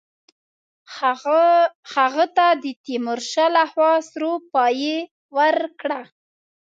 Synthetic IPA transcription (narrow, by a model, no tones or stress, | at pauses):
haɣət̪ad̪ət̪imʊɾʃalaxwɑsɾopɑje | waɾkɽa